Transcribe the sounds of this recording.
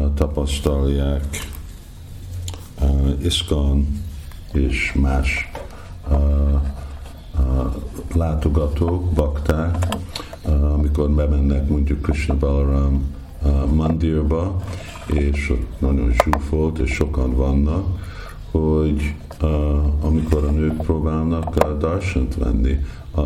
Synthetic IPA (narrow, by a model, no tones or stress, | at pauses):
t̪ɒpɒst̪ɒljaːk | eskɑn | eːʃmaːʃ | laːt̪oɡɒt̪oːkbɒkt̪aː | ɒmiko̞rmɛmɛnːɛkmoɲɟukːriʃnəbɛloɾan | mɒnd̪irbɒ | eːʃo̰t̪nɒɟo̞̰nʃuːrfolt̪ḛːʃːo̞kɒnvɒnːɒk | hoɟ | ɒmiko̞ɾɒnøːkproːbaːlnɒkd̪ɒrʃɛnt̪ʋɛ̰nːḭ